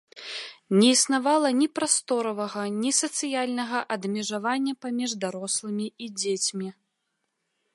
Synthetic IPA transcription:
nʲɛisnavalˠɐnʲipɾast̪ɔɾɐvɐɣɐnʲisɐt̪sɨjalʲnɐɣɐʔɐd̪mʲɛʐavanʲːɐpamʲiʐd̪aɾɔslˠɐmʲiid͡zʲet͡sʲmʲi

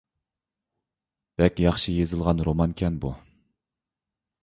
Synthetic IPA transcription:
b̥ɛkʲjɑχʃijezɨlˠʁɑnɾomɑnkʲʰɛnbu

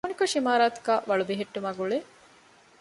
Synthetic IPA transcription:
unikoʃimaːɾaːt̪u̥ɡaːʋɐɭubiɦeʈːumaːɡuɭe

